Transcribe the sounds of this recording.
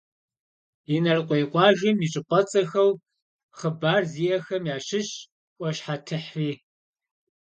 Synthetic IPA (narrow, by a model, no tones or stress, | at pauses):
inɐrqʷɔjqʷʼɑːʒɪmiːt͡ʃʼɪqʷʼɔt͡sʼɐxɐw | χəbaːrziːjɐxɐmjaːɕɪɕ | ʔʷʼɔɕħatʰɨħriː